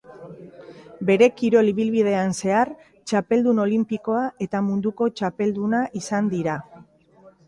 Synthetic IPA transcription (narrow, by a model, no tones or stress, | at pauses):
be̞ɾe̞kiɾo̞liβilβið̞e̞anse̞aɾ | t͡ʃape̞ld̪uno̞limpiko̞aʔe̞t̪amund̪uko̞t͡ʃape̞ld̪unaʔisand̪iɾa